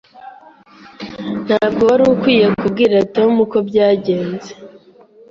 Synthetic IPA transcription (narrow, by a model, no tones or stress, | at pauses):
n̥haːbɡowaɾukwiːje̞kub̚ɡiːɾatomuko̞bɟaːɟe̞ːnze